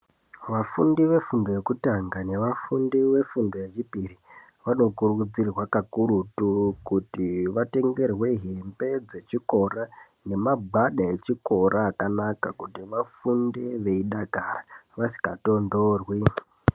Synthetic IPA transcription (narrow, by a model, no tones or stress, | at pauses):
ʋafundiʋe̞fundo̞je̞kutaŋɡane̞ʋafundiʋe̞fundo̞je̞t͡ʃipiri | ʋano̞kurukud͡zirrwakakuɾutukutiʋate̞ŋɡe̞rwe̞ɦembe̞d͡ze̞t͡ʃiko̞ra | ne̞mabaɗae̞t͡ʃiko̞ɾʔaːkanakakutiʋafundeʋe̞iɗaɡʱaraʋasi̥kato̞ndoːrwi